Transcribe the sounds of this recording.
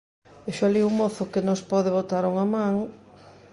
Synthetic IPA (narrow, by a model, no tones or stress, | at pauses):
eʃʊaliuŋmoθʊkenospɔðeβot̪aɾuŋamãŋ